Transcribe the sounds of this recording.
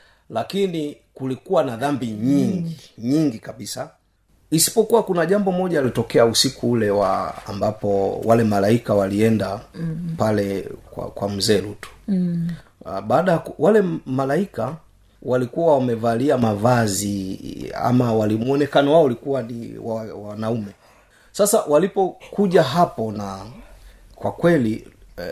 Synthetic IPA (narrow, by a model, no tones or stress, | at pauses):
lakini | kulikuwanaðambiɲiŋɡiɲiŋɡikaɓisa | isi̥pɔkuwakunaʄambɔmɔʄaːlitɔkɛausikuulɛwa̰ːmbapɔwalɛmalaikawaliɛndapalɛkwa̰kwam̩zɛlutu̥ | ɓaːɗajakwʔalɛmalaika | walikuwawamɛvaliamavazia̰mawalimuɔnɛkanɔwaɔulikuwanḭwawawanaumɛ | sasawalipɔkuʄaɦapɔna | kwakwɛli